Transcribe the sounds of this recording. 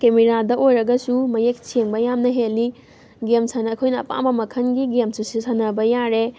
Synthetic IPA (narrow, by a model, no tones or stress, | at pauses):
kemeɾadɐʔojɾɐɡɐsumɐjek̚sʰeŋbɐjamnɐɦelːi | ɡemsʰɐnɐːkʰojnɐːpa̰mbɐmɐkʰɐnɡiɡemsusisʰɐnɐbɐjaɾe